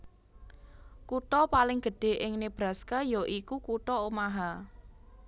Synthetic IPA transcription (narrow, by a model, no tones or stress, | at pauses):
kuʈɔpalɪŋɡ̥ə̤ɖ̥e̤ʔɪŋneb̥ɾa̤skəjoʔikukuʈɔomaɦa